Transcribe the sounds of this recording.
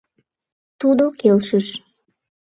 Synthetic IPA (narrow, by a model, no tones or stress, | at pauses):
t̪ud̪okelʃəʃ